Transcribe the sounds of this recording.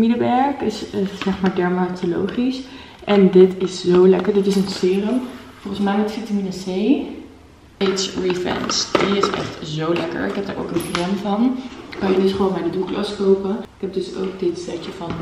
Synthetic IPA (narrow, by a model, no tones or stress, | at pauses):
minəʋɛɹkɪszɛχmaːɹdɛɹmatolo̰wχis | ʔɛndɪtɪszowlɛkəɹdɪtɪsənsɪːrəmfɔlˠχənsmɛjmɛtfitaminasej | ejtsɹifɛ̰nsdiɪsɛ̰χtzowlɛkə̰ɹɪkɦɛp̚daːɹʔo̰wkənkrɛnvɑnkɑnjədɵsχəʋoːnmaːɹdəduklɑskowpəɪkɦɛp̚dɵso̰wk̚dɪtstɛtəvɑn